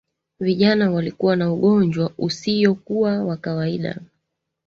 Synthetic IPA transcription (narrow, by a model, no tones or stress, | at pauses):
viʄanawalikuwanauɠɔnd͡ʒwaʔusijɔkuwawakawaiɗa̰